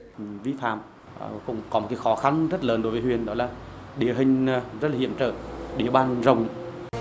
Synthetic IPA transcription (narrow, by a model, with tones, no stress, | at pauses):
vi˧fa̰ː˧˨m˨ | kʊ̰˧˥ŋ͡mkɔ˨˦o˨˩t̚kaː˨˦jxɔ˨˦xa˧nzə˦˥t̚ləː˨˦nɗo˨˦jvəː˨˦hwi˨˩ənɗɔ˨˦laː˨˩ɗi˨˦əɦï˨˩ŋ̟˧zə˦˥t̚laː˨ḭ˧˨əmt͡ɕə̰ː˧˩tɗi˨˩˦əɓaː˨˧˩nzə˨˩wŋ͡m